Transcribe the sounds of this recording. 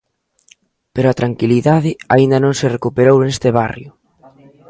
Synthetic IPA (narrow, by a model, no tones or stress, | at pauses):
peɾʊat̪ɾaŋkiliðaðɪaind̪ɐnõŋsɪrekupeɾownest̪ɪβarjʊ